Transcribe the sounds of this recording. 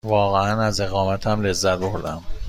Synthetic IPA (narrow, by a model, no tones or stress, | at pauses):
vɒːɣeænæze̞ɣɒːmæt̪ʰæmle̞zːæt̪̚boɾd̪æm